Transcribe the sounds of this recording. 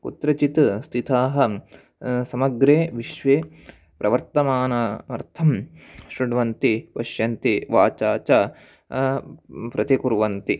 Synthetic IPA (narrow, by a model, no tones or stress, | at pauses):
kut̪ɾɐt͡ʃit̪st̪ʰit̪ʰaːɦɐ̆ | sɐmɐɡɾeːʋiʃʋeː | pɾʔɐʋɐɾt̪ɐmaːnɐɐɾt̪ʰɐmʃɾiɖʋɐnt̪ipɐʃjɐnt̪iʋaːt͡ʃaːt͡ʃa | pɾɐt̪ikuɾʋɐnt̪i